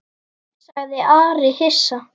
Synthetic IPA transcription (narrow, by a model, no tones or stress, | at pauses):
saɣðɪʔaːɾɪhɪ̥sːa